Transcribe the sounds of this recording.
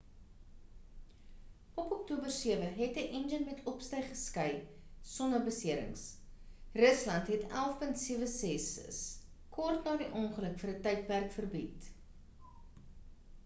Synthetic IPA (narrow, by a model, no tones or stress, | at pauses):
ɔpɔktuːbərsiəvəɦɛtəʔɛnd͡ʒənmɛtʰɔpstəjχəskəjsɔndərbəsiəɾə̰ŋs | rəslɐntɦɛtæ̰lˠfpəntsiəvəsɛsə̰s | kʰɔrtnɑːdiʔɔŋχələkfərətɛjt̚pærkfərbit